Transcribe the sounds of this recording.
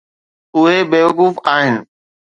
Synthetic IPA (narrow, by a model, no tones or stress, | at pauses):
ʊɦebeːʋəkuːfaːɦɪnɪ̆